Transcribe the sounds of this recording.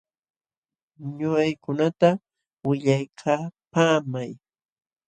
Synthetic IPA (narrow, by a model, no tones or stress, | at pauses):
ɲʊɢajkʊnat̪a | wɪʎajkʰaːpaːmaj